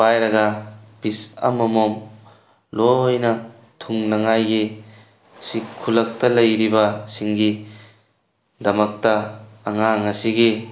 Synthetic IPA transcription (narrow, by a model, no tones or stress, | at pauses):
bajɾɐɡɐb̥isɐ̰mɐmom | lojnɐ | tʰuŋnɐŋajɡi | sikʰːulɐk̚tɐlɐjɾibɐsiŋɡi | dɐmɐk̚tɐːŋaŋɐsiɡi